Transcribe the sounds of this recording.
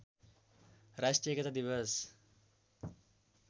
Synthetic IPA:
ɾasʈekɐt̪ad̪iʋəs

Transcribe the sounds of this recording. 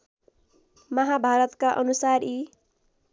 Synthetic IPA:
mʌɦabʱaɾʌt̪kaʔʌnusari

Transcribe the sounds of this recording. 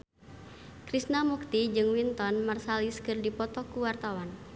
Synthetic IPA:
kɾisnamuk̚t̪id͡ʒɨŋwint̪ɔnmarsaliskɨrdipɔt̪ɔkuwart̪awan

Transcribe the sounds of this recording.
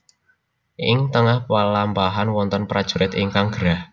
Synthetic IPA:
ʔɪŋt̪əŋahpalampaɦanwɔnt̪ɔnpɾad̥ʒ̥uɾɪt̪ɪŋkaŋɡ̥əɾah

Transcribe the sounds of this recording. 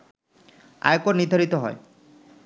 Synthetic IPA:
a̰jkoɾnid̪ʱaɾit̪ɔɦɔ̰e

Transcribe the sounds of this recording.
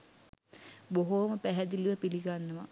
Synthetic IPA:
boɦoməpæɦæd̪iliʋəpiliɡanːəʋa̰

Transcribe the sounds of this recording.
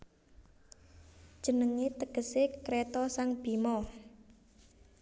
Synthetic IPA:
d̥ʒ̥ə̤nəŋet̪əɡ̥ə̤sekɾɛt̪ɔsaŋb̥imɔ

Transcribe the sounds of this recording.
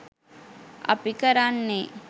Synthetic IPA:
ɐ̰pikɐɾanːe

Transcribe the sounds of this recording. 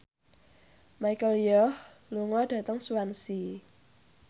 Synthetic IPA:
majkəljɔh | luŋwad̥ä̤t̪əŋsuwansi

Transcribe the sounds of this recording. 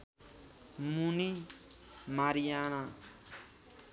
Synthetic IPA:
muni | maɾijana

